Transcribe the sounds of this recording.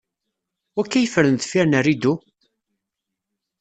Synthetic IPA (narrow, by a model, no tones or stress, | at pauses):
wækːæjəfəɾənt̪fiɾnærːid̪u